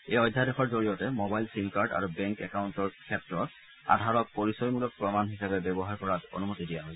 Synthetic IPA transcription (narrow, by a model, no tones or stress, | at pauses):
ejɔjdʱːadexɔɹzoɹijɔtɛmobajlsimkaɹɖa̰ɹubɛŋkɛkawntɔɹkʰɛtɹɔt | a̰dʱaɹɔk̚poɹisɔjmulɔk̚pɹɔmanɦisabɛbɛbɔɦaɹkɔɹato̰numotidijaɦojsɛ